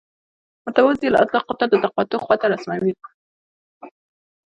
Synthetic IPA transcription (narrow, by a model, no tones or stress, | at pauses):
mʊt̪awazɪla̰d̪lɑqɑt̪ad̪ət̪aqɑt̪oxwat̪aɾasmawi